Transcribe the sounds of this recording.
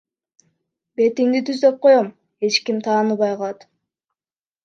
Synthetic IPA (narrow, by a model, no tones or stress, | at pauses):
be̞t̪iŋd̪it̪yzd̪ø̞p̚qʰo̞jom | e̞t͡ʃkimt̪ʰɑːnɯβɑjqʰɑlˠɑt̪